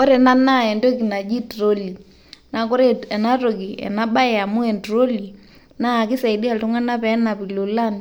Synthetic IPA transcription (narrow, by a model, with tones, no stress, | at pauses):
ɔ˦ɾɛ˨na˦na˦˨ɛ˨ndo˦ki˨na˨d͡ʒi˦tɾo˦li˨ | na˨kɔ˦ɾe˦ɛ˨na˦ro˨ɡi˨ɛ̰˨na˦ɓa˦ɛ˨a˨mu˦ɛ˨ntɾo˦li˨ | na˦˨ki˦sa˨i˨di˦a˨ltu˦ŋa˦na˦pɛ˨˦na˨pi˨lo˨la˦n